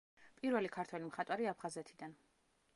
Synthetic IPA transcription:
pʼiɾvɛlikʰaɾt̪ʰwɛlimχat̪ʼwaɾiapʰχazɛt̪ʰid̪an

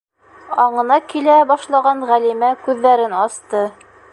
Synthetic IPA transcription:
ɑɴɤ̆nɑkilæbɑʃlˠɑʁɑnʁælimækʉðːæɾɘnɑst̪ɤ

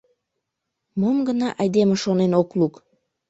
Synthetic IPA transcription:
momɡənɑʔɑjd̪emeʃonenokluk

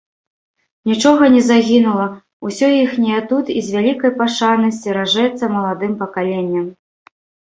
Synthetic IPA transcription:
nʲit͡ʂɔɣɐnʲɛzaɣʲinulˠɐ | usʲɔjixnʲɛjɛt̪ut̪izʲvʲalʲikɐjpaʂanɐsʲt͡sʲiɾaʐɛt̪sɐmɐlˠad̪ɨmpɐkalʲenʲːɐm

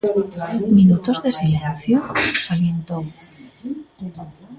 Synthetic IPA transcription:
minut̪o̞zðe̞seleɾaθjonsaljent̪o

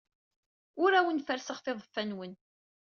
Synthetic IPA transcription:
ʊɾæwənfəɾsəχθeðˤfːænwən

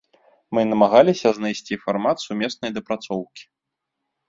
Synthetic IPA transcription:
mɨnɐmaɣalʲisʲɐznajsʲt͡sʲifarmat̪sumʲɛsnɐjd̪ɐpɾat̪sɔwkʲi̥

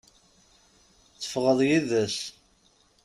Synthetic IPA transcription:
θə̥fʁəðˤjiðəs

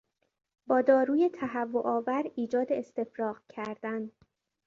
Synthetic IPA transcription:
bɒːd̪ɒːɾuːje̞t̪ʰæɦævːoʔɒːvæɾiːd͡ʒɒːd̪eest̪e̞fɾɒːqcʰæɾd̪̥æn

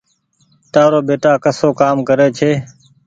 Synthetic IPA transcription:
t̪aːɾoːbeːʈaːkəsoːkaːmkəɾeːt͡ʃʰeː

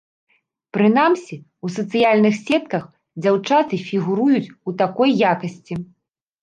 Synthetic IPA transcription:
pɾɨnamsʲi | usɐt̪sɨjalʲnɨxsʲɛt̪̚kɐx | d͡zʲawt͡ʂat̪ɨfʲiɣuɾujut͡sʲut̪akɔjːakɐsʲt͡sʲi

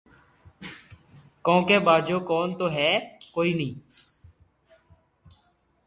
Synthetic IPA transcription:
kõːkeːbaːd͡ʒoːkoːnt̪oːɦɛːkoːiːnĩː

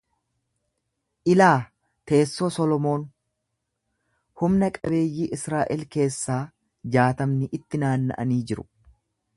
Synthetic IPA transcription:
ʔɪlaː | t̪e̞ːsːoːsɔlɔmo̞ːn | hʊmnɐkʼɐbe̞ːjːiːʔɪsɾaːʔɪlke̞ːsːaː | d͡ʒaːt̪ɐmnɪʔɪt̪ːɪnaːnːɐ̰ʔɐ̰niːd͡ʒɪɾʊ̥̰

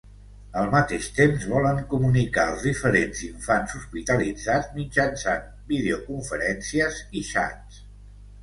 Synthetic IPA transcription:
əlˠmət̪eʃt̪emzβɔləŋkumunikaəlˠzðifəɾenziɱfanzuspit̪əlid͡zad͡zmid͡ʒənsan | bið̞eokuɱfəɾɛnsiəziʃa̰ts

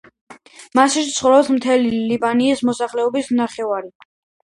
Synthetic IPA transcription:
masit̪sʰχɾɔpsmt̪ʰɛlilibaniːsmɔsaχlɛɔbisnaχɛvaɾi

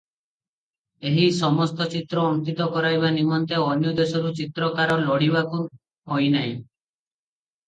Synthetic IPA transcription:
eɦisɔmɔst̪ɔt͡ʃit̪ɾɔːnt̪it̪ɔkɔɾajbanimɔnt̪eɔnjɔd̪esɔɾut͡ʃit̪ɾɔkaɾɔlɔɽibaku | ɦɔjnaĩ

